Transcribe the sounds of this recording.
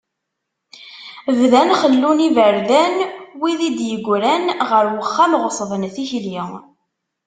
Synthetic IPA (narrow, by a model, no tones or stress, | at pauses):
vðænχəlːunivəɾðænwiðid̪jəɡʷɾænʁəɾwəχːamʁəsˤðˤənθiçli